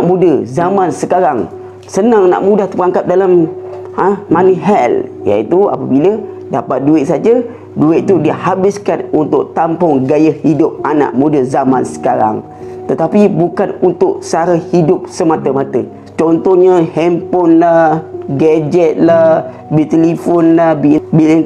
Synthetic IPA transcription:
ʔmũdəzamãnsəkaɾaŋ | sənaŋana̰ʔmudaht̪əəɾaŋkap̚dalam | əːaniɦɛlja̰it̪ua̰pəbilə | dapat̪̚duɪʔ̚sad͡ʒə | duɪʔ̚t̪udihabɪskanunt̪ʊʔt̪ampʊŋɡajəhhidʊp̚ana̰ʔmudəzamansə̥kaɾa̰ŋ | t̪ət̪apibukanunt̪ʊʔsəaɾahidʊp̚səmat̪əmat̪ə | t͡ʃɔnt̪ɔɲə̃hɛmpɔnlahɡad͡ʒɛt̪̚lah | bit̪elifɔnlahbibilŋ

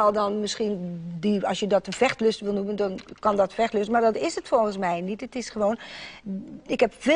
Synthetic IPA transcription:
ɔlˠdɔnmɪskiəndiɔsjədɔtənfɛxtløstʋɪlˠnuməndɔnkɔndɔtfɛxtløstənmardɔtɪsətfolɣənsmɛjnitətɪsχəʋoːn | ɪkhɛpfe

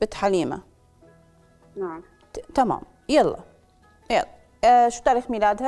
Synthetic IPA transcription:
bɪt̪ħaliːma̰ | naʕm | t̪ama̰ːm | jɑlˤːɑ̰ | jɑ̰lːɑ | ʃuːt̪aʕɾiːxmilaːd̪ha

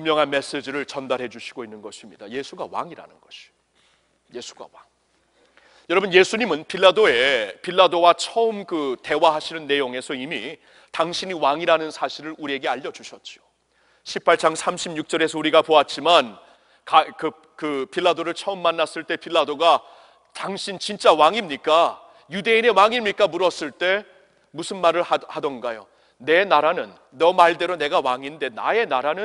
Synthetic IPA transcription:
pumːjʌŋɦanme̞s͈ed͡ʑiɾɯɭt͡ɕʌndaɾɦe̞d͡ʑuɕʰiɡoinːɯnɡʌɕʰimɲidaje̞sʰuɡawa̰ŋiɾa̰nɯnɡʌɕʰi̥o | je̞sʰu̥ɡa̰waŋ | jʌɾʌbɯnje̞sʰuɲimɯnpʰiɭːadoe̞piɭːadowat͡ɕʰʌɯmkɯte̞waɦaɕʰinɯnːe̞joŋe̞sʰʌimi | taŋɕʰiɲiwaŋiɾanɯnsʰaɕʰiɾɯɾuɾie̞ɡe̞aʎːʌd͡ʑuɕʰʌt̚t͡ɕ͈io | ɕʰipʰaɭt͡ɕ͈aŋsʰamɕʰibɲuk̚t͡ɕ͈ʌɾe̞sʰʌuɾiɡapoat̚t͡ɕ͈iman | kakɯ | kɯpiɭːadoɾɯɭt͡ɕʰʌɯmːanːas͈ɯɭt͈e̞pʰiɭːadoɡa | taŋɕʰint͡ɕint͡ɕ͈awaŋimɲik͈a | jude̞ine̞waŋimɲik͈amuɾʌs͈ɯɭt͈e̞ | musʰɯnmaɾɯɭahadʌnɡajo̰ | ne̞naɾanɯnːʌmaɭde̞ɾone̞ɡawaŋinde̞na̰e̞naɾanɯn

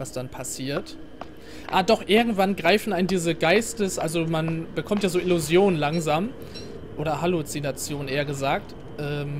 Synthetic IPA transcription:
vasd̥anpʰasiːɐt | ʔaːdɔχʔɪɐɡŋ̩tv̥anɡʁaɪfn̩andiːzəɡaɪstəsʔalzomanb̥əkʰɔmtjaːzoːʔɪluzjoːnənlaŋzaːm | ʔoːɾɐhalut͡sinat͡sjoːnʔeːɐɡəzaːk̚t | ʔɛːm

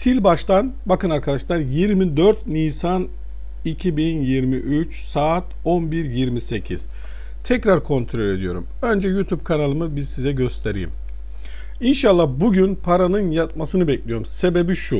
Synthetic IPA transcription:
sʰilʲbaʃt̪ʰanbakɯnaɾkʰad̪aʃlˠaɾjiɾmid̪øɾt̪̚niːsan | icʰibinjiɾmiʔyt͡ʃsaːt̪ | o̞nbiɾjiɾmise̞cʰiz̥ | t̪ʰɛcɾaɾkʰo̞nt̪ʰɾo̞lʲe̞d̪ijo̞ɾṵmø̞nd͡ʒɛjut̪ʰub̚kʰanalˠɯmɯbizsizɛɟø̞st̪ʰeɾḭjḭm | inʃalˠːahbuɟynpʰaɾanɯnjat̪masɯnɯbɛclʲijo̞ɾumse̞be̞biʃu

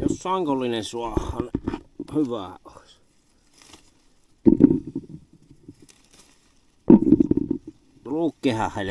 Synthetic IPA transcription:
josːɑŋkolːinensuɑhːɑnhyʋæˑoˑis | ruːkːehæhˑel

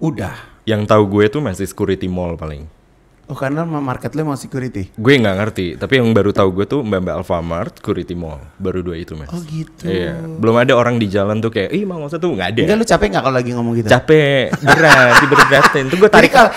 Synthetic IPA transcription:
udah | jaŋt̪auɡuɛt̪umasisə̥kuɾit̪imɔlpalɪ̰ŋ | ɔkarnaamarkɛt̪lumausə̥kuɾit̪iɡuɛŋɡaŋərt̪it̪apijaŋbaɾut̪auɡuɛt̪umbambaa̰lfamarsskuɾit̪imɔ̰lbaɾuduait̪uma̰ɔɡit̪uja̰bəlʊmadaoɾaŋdid͡ʒalant̪ukajaʔimaŋos̬at̪uŋɡaːdaɡalut͡ʃapɛŋɡakalolaɡiŋɔmɔŋɡit̪ut͡ʃapɛdəɾasibəɾbɾat̪ɛnt̪uɡuɛt̪aɾika

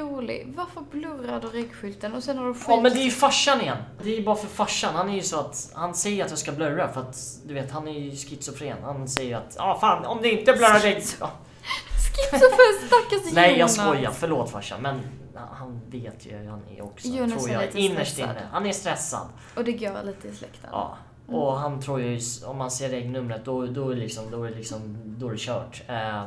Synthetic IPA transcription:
uːlɪ̰ɡvaɾfəɾblɵrad̪ʉɾɛɡɧʏlt̪ənɔsɛnhadɵɧɔmɛnd̪ɛɾjɵfaʂːanɪjɛnːd̪ɛæɾjɵbɑːɾafœɾfaʂːanhanæɾjɵsɔat̪hansɛjːəɾat̪jɑːskablœɾːafœɾat̪d̪ɵveːt̪hanæɾjɵskɪt̪sɔfɾḛːnhansɛjːəɾa̰t̪ɑfaːnɔmd̪ɛɪnt̪əblœɾadɛj | skɪsʊfest̪akːasnɛjjɑːskɔjːafœɭoːt̪fa̰ʂa̰mɛn | hanveːt̪ʰjə̰jhanɛ̰ɔksɔɾuːɾjaɪnːəʂtɪnːə̰hanæʂst̪ɾɛsːa̰d̪ | ɔd̪ɛɡœːɭiːt̪əɪslɛ̰kt̪ʰə̰ɑ̰ː | ɔɦant̪ʰɾuːɾjjsɔ̰mhanseːɖɛɡnɵmːɾət̪̚d̪ɔd̪ɔɛlɪksɔmd̪ɔɾɛlɪksɔmd̪ɔɾɛɕœːʈː

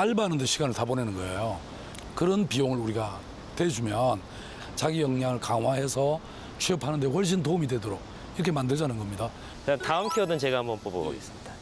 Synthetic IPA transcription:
aɭbanɯnde̞ɕʰiɡanɯɭtabonenɯnɡʌejo | kɯɾʌnpioŋɯɭɾuɾiɡa | twe̞d͡ʑumjʌn | t͡ɕaɡijʌŋɲaŋɯɭkaŋɦwaɦe̞sʰʌ | t͡ɕʰeʌpʰanɯndeɸwʌɭɕ̬͈ʰintoumidwe̞doɾoɡ̚ | iɾʌkʰe̞mandɯɭd͡ʑanɯnɡʌmɲida | kɯantaɯmkʰeʌdɯnt͡ɕeɡaambʌnpobo̰ɡ̰ḭs͈mid̥a

